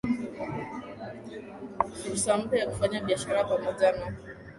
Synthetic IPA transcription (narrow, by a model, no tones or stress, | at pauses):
fuɾusam̩pjɛjaku̥faɲaɓiaʃaɾapamɔʄana